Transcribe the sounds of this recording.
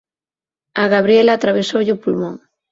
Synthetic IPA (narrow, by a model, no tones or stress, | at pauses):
aɣaβɾielaːt̪ɾaβ̞esowʎɪʊpulmõŋ